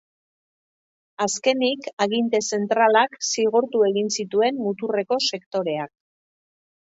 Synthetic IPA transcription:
aske̞nikaɣint̪e̞se̞nt̪ɾalaksiɣuɾt̪ue̞ɣinsit̪ue̞nmut̪ure̞ko̞se̞kt̪o̞ɾe̞ak̚

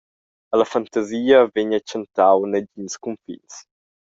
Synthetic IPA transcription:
əlɐfant̪aziːɐveɲat͡ʃənt̪awnəd͡ʒiɲskumfḭns

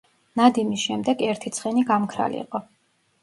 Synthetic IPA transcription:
nad̪imisʃɛmd̪ɛɡɛɾt̪ʰit̪sʰχɛniɡamkʰɾa̰lḭːqʼɔ

